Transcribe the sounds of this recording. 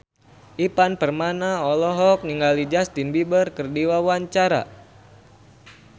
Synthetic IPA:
ʔipanpərmanaɔlɔɦɔk̚niŋɡalid͡ʒast̪inbibərkərdiwawaɲt͡ʃaɾa̰

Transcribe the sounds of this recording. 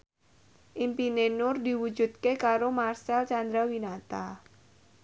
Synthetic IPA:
ʔimpinenʊrd̪i̤wu̥d͡ʒṳt̪̚kekaɾomarsɛlt͡ʃand̪ɾawinat̪a

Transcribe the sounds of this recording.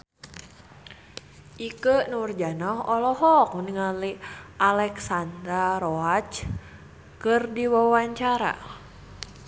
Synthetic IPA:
ʔikənurd͡ʒanaɦɔlɔɦɔk̚mniŋaliʔalɛksand̪ɾaɾɔat͡ʃ | kɨrdiwawaɲt͡ʃaɾa̰

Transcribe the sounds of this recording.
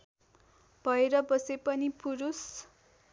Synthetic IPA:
b̥ʱʌeɾʌbʌsepʌnipuɾus

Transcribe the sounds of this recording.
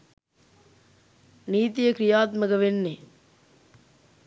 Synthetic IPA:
niːt̪ijɐkɾijaːt̪̚mɐkɐʋenːe

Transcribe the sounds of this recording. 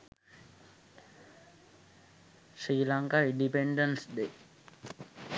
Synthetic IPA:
sɾiːlaŋkaiɳɖipeɳɖənsd̪e

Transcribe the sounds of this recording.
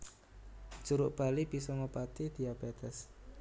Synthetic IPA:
d͡ʒ̥uɾʊʔb̥a̤lib̥isɔŋopat̪id̪̥iabed̪ɛs

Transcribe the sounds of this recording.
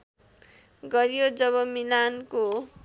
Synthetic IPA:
ɡʌɾijod͡zʌβʌmilanko

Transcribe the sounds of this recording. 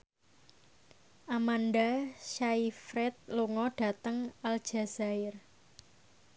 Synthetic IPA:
ʔamanɖaʃaifɾɛt̪̚luŋɔɖ̥ä̤t̪əŋald̥ʒ̥a̤z̥aɪr

